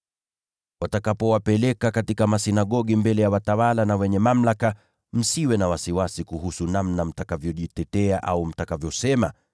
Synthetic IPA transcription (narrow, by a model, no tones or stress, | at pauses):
watakapɔwapɛlɛkakatikamasinaɠɔɠimbɛlɛjawatawalanawɛɲɛmam̩laka | m̩siwɛnawasiwasikuɦusunamnam̩takavjɔʄitɛtɛaʔaum̩takavjɔsɛma